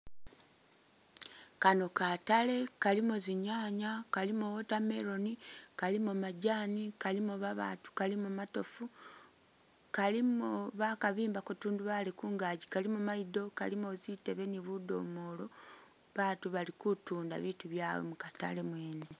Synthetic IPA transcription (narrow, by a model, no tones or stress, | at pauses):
kano̞katale̞kalimoziɲaːɲakalimowotame̞ɾo̞nikalimumaɟaːnikalimoβaβa̰ːtu̥kalimumato̞fu | kalimoβakaβiːmbakutuːnduβalekuːŋɡaːɟikalimumaido̞ka̰limozite̞βe̞niβudo̞̰moːlo̞βaːtuβalikutuːnda̰βituβjawo̰mukata̰le̞mweːnee